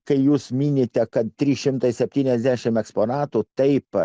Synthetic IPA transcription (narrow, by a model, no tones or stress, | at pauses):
kɐɪjuːsmʲiːnʲeːt̪ʲɛkɐt̪̚t̪ʲɾʲiːʃʲɪmt̪ɐɪsʲɛpʲt̪ʲiːnʲɛzʲd̪ʲæːʃʲɪmɛkspoːnɑːt̪ut̪ɐɪp